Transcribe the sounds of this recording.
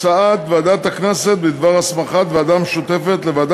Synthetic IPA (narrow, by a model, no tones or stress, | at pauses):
t͡saat̪vead̪at̪aknese̞t̪̚bid̪vaʁasmaχat̪vead̪ameʃut̪e̞fet̪levad̪